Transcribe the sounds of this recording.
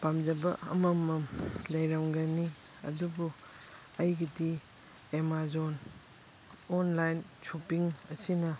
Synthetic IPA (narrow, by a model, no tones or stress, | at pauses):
pamd͡ʒɐbɐɐ̰mɐmɐmlɐjɾaŋɡɐni | ɐ̰dubu | ɐjɡidi | emazon | ɔnlajnt͡ʃupiŋɐsinɐ